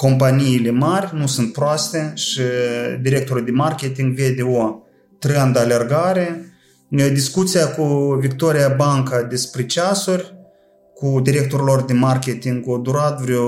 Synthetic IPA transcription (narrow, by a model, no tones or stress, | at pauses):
ko̞mpanijːle̞marʲnusunt̪̚pɾoast̪e̞ʃid̪iɾʲe̞k̚t̪o̞ɾuld̪emarkʲet̪iŋɡve̞d̪ʲeo̞ | t̪ɾand̪əale̞rɡaɾe̞ | d̪iskut̪sijakuvikt̪oɾijabaŋkad̪espɾʲet͡ʃasurʲ | kud̪iɾʲe̞k̚t̪o̞ɾlo̞rd̪emarkʲet̪iŋɡod̪uɾat̪vɾʲew